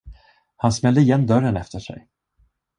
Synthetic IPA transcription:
hansmɛld̪əɪjɛnːd̪œɾənɛft̪əʂɛ̰j

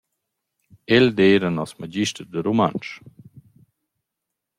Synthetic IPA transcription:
ɛld̪eːɾənɔsmad͡ʒiʃtəɾd̪əɾoma̰nt͡ʃ

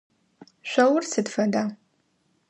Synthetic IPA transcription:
ʃʷɐwʊrsɨdfɐda

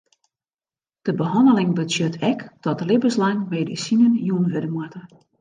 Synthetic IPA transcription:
d̥əbəɦɔndəlɪŋbəsjøtʰɛkd̥ɔtəlɪbəslaŋmeːdisinənjuənʋødəmwatə

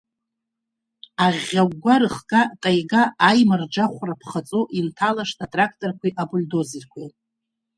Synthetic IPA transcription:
aʁʲaɡːʷaɾɨχkʼatʼajɡaːjmard͡ʒaχʷrapʰχat͡sʼoʔintʰalaʂtʰatʼrakʰtʼorkʷʰiʔabuldozirkʷʰi

